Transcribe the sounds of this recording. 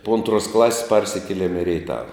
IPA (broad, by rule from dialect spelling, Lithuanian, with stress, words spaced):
poː ˈɐntruɔs ˈklˠɑːsʲɪs ˈpɐrʲsʲɪkʲiɛlʲɛm ɪ rʲɛɪˈtɑːʋɐ